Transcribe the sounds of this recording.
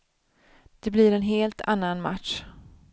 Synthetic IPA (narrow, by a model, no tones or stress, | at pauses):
d̪̥ɛblɪɾɛnɦeːlt̪ʰa̰nːanma̰t̪ʂ